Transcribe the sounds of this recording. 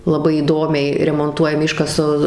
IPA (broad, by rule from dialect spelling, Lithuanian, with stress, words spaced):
lˠɐˈbɐɪ iːˈdoːmʲɛɪ rʲɛmoːnˈtuɔjɛmʲɪ ˈɪʃkɐsɐ